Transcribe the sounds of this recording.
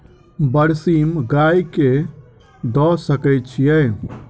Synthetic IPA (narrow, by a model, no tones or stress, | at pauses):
bəɾsimɡajke | d̪ɔsəkɛjt̪t͡ʃʰijɛ